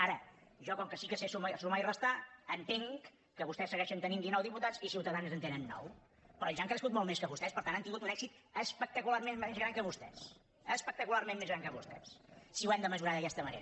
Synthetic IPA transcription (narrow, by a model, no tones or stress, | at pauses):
aɾəʒɔkɔŋkəsikəsesumasumairəst̪aənt̪eŋkː | əβust̪ɛsːəɣɛʃənt̪ənind̪inɔwðiput̪at͡sisiwt̪əðanzənt̪enənːɔ̰w | pɾɔʎʒaŋkɾəskut̪̚molˠmeskəβust̪ɛspəɾt̪antant̪iŋɡut̪unɛkzit̪ | əspək̚t̪əkularmenmezɣɾaŋkəβust̪ɛ̰s | əspək̚t̪əkulaɾmenmezɾaŋkəβust̪ɛ̰ssiuwɛmd̪əməʒuɾaðəkɛst̪əmənḛɾə